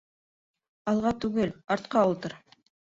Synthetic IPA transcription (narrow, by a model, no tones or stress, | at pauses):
ɑlˠʁɑt̪ʉɡɘlɑɾt̪qɑulˠt̪ɤɾ